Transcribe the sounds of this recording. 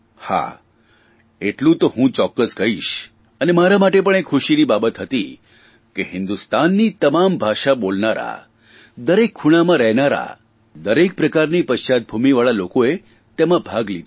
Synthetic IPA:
ha̰ | eʈlũt̪oɦũt͡ʃɔkːəskəɦiʃ | ənemaɾamaʈepəɳ̃ekʰʊʃinibabət̪ɦət̪i | keɦɪnd̪ust̪anːit̪əmambʱaʃabolnaɾa̰ | d̪əɾekʰːuɽ̃amãɾɛɦnaɾa̰ | d̪əɾek̚pɾəkaɾnipəʃt͡ʃat̪̚bʱumiʋaɭalokoe | t̪emãbʱaɡlid̪

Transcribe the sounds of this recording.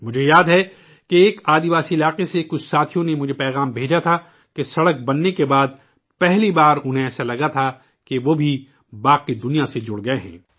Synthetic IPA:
mʊd͡ʒʱejaːd̪ɦɛ | keːkaːd̪iʋaːsiɪlaːqesekʊt͡ʃʰsaːt̪ʰijõnemʊd͡ʒʱepɛːɣaːmbʱeːd͡ʒat̪ʰa | kesɐɽək̚bɐnːekebaːd̪̚ | pɛɦlibaːɾʊnɦẽɛːsalɐɡat̪ʰa | keʋoːbʱi | baːqid̪ʊnijased͡ʒʊɽɡɐeɦɛ̰̃ː

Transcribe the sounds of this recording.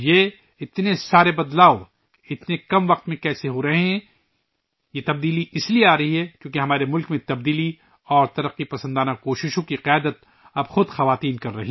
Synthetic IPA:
je | ɪt̪nesaːɾebɐd̪laːo | ɪt̪nekɐmʋɐq̚t̪mẽkɛːseɦoɾɐɦeɦɛ̃ | jet̪ɐb̚d̪iːliɪslieaːɾɐɦiɦɛkjõːkeɦɐmaːɾemʊlkmẽt̪ɐb̚d̪iːli | ɔːɾt̪ɐɾɐqːipɐsə̃nd̪aːnakoːʃɪʃõkiqɪjaːd̪ət̪ | ɐbxʊd̪xɐʋaːt̪iːnkɐɾːɐɦi

